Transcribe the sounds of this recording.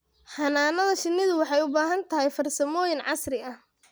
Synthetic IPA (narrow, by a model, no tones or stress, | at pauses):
hɐnaːnɐðɐʃɪnːɪðʊwɑħɑjʊbaːɦɐnt̪ʰɐɦɛjfɐrsɐmɔːjɪnʕɑ̰srɪɐh